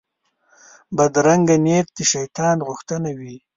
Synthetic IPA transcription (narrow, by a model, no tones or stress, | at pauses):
bad̪ɾaŋɡanet̪̚d̪eʃajt̪ɑːnɣʊxt̪ənawi